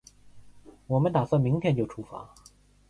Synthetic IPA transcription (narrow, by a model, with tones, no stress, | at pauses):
wɔ˨˩mə˦nt̪a˨˩sɤ˥˩mi˧˥ŋt̪ʰjɛ˥˧nt͡ɕo˥˩ʊʈ͡ʂʰu˥fa̰˧˥